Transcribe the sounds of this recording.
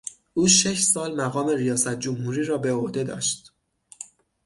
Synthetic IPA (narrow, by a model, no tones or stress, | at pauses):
ʔuːʃe̞ʃsɒːlmæɣɒːme̞ɾijɒːsæt̪̚ʰd͡ʒomhuːɾiːɾɒːbe̞ohd̪e̞d̪ɒ̰ːʃd̪̥